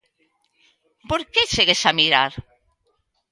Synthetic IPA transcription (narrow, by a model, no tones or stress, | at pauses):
poɾket͡ʃeɣesamiɾa̰ɾ